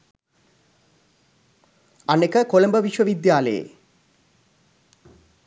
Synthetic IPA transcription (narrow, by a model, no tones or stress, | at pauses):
anekəkoləmbəʋiʃʋəʋid̪jaːlə̰jḛ